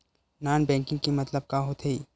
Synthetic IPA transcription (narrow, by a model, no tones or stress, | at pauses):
naːnbɛ̃ːŋkɪ̃ŋɡkimɐt̪ləb̚kaɦot̪ʰei